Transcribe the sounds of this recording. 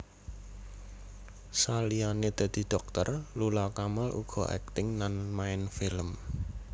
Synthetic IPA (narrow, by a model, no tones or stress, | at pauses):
salianed̪̥a̤d̪̥i̤ɖ̪̥ɔ̤k̚t̪ə̰rlulɔkamalʔṵɡ̥ɔ̤ɛ̰k̚t̪ɪŋnanmaɪnfɪləm